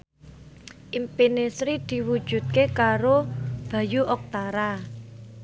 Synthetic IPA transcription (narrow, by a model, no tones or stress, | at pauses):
ʔimpinesɾid̪̥i̤wud̥ʒ̥ṳt̪̚kekaɾob̥a̤juʔɔk̚t̪aɾa